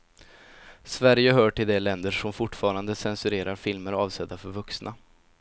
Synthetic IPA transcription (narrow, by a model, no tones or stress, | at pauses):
svæɾjəɦœːʈɪld̪ɛlɛnd̪əʂɔmfʊʈːfɑːɾand̪əsɛnsɵɾeːɾaɾfɪlməɾɑːvsɛd̪ːafœɾvɵksna